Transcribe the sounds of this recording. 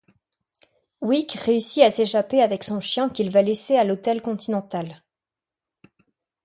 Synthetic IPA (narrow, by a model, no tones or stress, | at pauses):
wikʁeysiaseʃapeavɛksɔ̃ʃjɛ̃kʲilvalesealot̪ɛlkɔ̃t̪inɑ̃t̪al